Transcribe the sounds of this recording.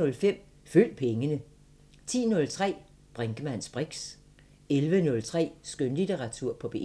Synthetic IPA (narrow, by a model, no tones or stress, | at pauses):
ɔ̽lfem̰ | fyl̰d̥̚pʰeŋənə | t͡sʰḭːnɔ̽lt͡sʰʁɛ̰ː | b̥ʁaŋɡ̥əmæn̰sb̥ʁiɡ̥s | elʋənɔ̽lt͡sʰʁɛ̰ːsɡ̥ønlit͡seʁɑ̈t͡sʰuɐ̰pʰɒ̽b̥e̝